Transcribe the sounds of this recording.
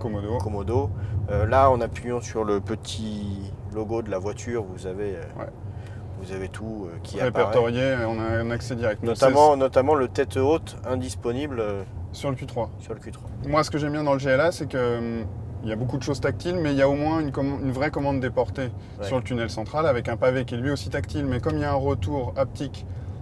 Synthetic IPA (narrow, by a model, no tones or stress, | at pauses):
kɔmɔd̪okɔmɔd̪oølaɑ̃napɥiɑ̃syʁləpət̪ʰilɔɡod̪əlavwat̪ʰyʁvuzaveøwɛ̰ | vuzavet̪ʰuøkʲʰiaʁepaɛʁɛt̪ɔʁjeɔ̃naɛ̃naksɛd̪iʁɛk̚t̪mnɔsamɑ̃nɔt̪amɑ̃lət̪ɛt̪ot̪ | ɛ̃d̪ispɔnibløsyʁləkʲyt̪χwasyʁləkʲyt̪χwamwasə̥kəʒɛmbjɛ̃d̪ɑ̃ləʒeɛlasɛkəmiljabokud̪əʃozt̪ak̚t̪ilmɛiljaomwɛ̃ynkɔmɑ̃ynvʁɛkɔmɑ̃d̪ːepɔʁt̪e | syʁlət̪ynɛlsɑ̃t̪χalavɛkɛ̃pavekʲɛlɥiosit̪akt̪ilmɛkɔmiljaɛ̃ʁət̪uːʁap̚t̪ik